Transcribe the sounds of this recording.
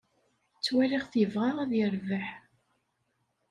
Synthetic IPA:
t͡sːwæliʁθjəvʁaʁæðjəɾvəħ

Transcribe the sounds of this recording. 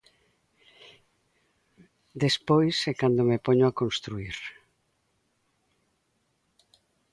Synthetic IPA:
d̪espojsekand̪omepoɲoakonst̪ɾuiɾ

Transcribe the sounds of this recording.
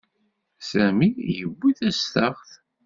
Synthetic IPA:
sæmijəbʷːiθæst̪əʁθ

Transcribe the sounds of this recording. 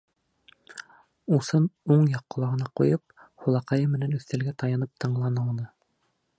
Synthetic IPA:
usɤnuɴjɑqːŏlˠɑʁɤ̆nɑqujɤp̚ | hulˠɑqɑjɤmɘ̆nænʉθt̪ælɡæt̪ɑjɑnɤp̚t̪ʰɤ̆ɴlˠɑnɤunɤ

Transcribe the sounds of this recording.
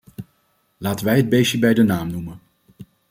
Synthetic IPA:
laːtənʋɛjɦəd̚bejsəbɛjdənaːmnumən

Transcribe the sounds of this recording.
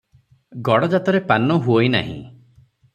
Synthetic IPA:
ɡɔɽɔd͡ʒat̪ɔɾepanɔɦuojna̰ɦḭ̃

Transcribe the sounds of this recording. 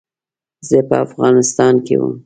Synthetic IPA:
zepəafɣɑnɪst̪ɑnkḛwə̰m

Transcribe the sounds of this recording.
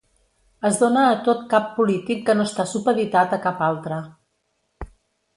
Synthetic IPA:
əzðonəːt̪ot̪̚kapːulit̪ikːənoəst̪asupəβit̪at̪əkapalˠt̪ɾə

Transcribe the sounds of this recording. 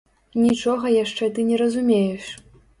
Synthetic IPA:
nʲit͡ʂɔɣɐjaʂt͡ʂɛt̪ɨnʲɛɾɐzumʲejɛʂ

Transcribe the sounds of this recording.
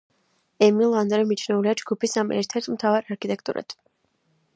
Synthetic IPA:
ɛmilˠand̪ɾɛmit͡ʃʰnɛuliad͡ʒɡupʰisamʔɛ̰ɾt̪ʰɛɾt̪ʰmt̪ʰavaɾaɾkʰit̪ʼɛk̚ʰt̪ʼṵɾʔa̰t̪ʰ

